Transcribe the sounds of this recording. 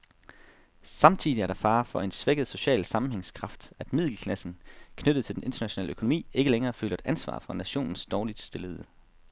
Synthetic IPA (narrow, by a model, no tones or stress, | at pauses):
sɑ̈mt͡sʰḭðˠiæɐɾ̥ɑ̈fɑ̈ːfɒ̽e̝nsʋeɡ̥əð̞̩ˠso̝ɕɛ̰ːlsɑ̈mm̩heŋskʰʁɑ̈fd̥æd̥mið̞̰ˠl̩kʰlæsn̩kʰnøɾ̥ð̞̩ˠt͡sʰe̝ld̥enʔe̝nd̥ɐnæɕo̝nɛ̰ːləøkʰo̝no̝mḭːe̝ɡ̥əleŋɐːfø̰ːlɐd̥ʔænsʋɑ̰̈ːfʁɑ̈næɕo̝̰ːnn̩sd̥ɒːlid̥sd̥e̝ləðˠ